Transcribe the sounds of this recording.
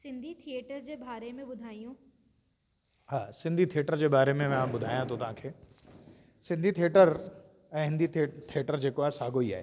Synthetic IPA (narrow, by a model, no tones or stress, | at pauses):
sɪ̃nd̪ʱit̪ʰijeʈəɾd͡ʑeːbaːɾemẽbʊd̪ʱaːijũː | ɦaːsɪ̃nd̪ʱit̪ʰieʈəɾd͡ʑeːbaːɾemẽʋɐ̃ɦãbʊd̪ʱaːjãt̪ʰot̪ɐʋ̤ãkʰeː | sɪ̃nd̪ʱit̪ʰijeʈəɾ | ɛ̃ːɦɪ̃nd̪ʱit̪ʰieːʈəɾd͡ʑeːkoaːɦesaːɡoia̰ːɦḛː